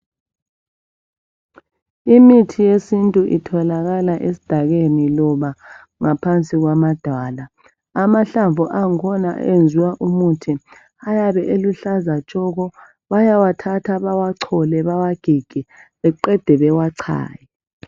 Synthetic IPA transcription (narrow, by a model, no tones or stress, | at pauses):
imitʰijesintʼuʔḭtʰɔlaɣalaʔesi̥d̥ʱaɣenilɔβa | ŋapʰant͡sʼiɣwamad̥ʱaːlaː | maɬaɱvʱuʔaŋkʰɔna̰end͡zʱiwaʔumutʰi | ajaβɛʔeluɬazat͡ʃʼɔɣɔ | βajawatʰatʰaβawaǀʰɔlɛβawaɡ̥ʱiɡ̥ʱɛβɛǃɛd̥ʱɛβɛwaǀʰa̰ːjɛ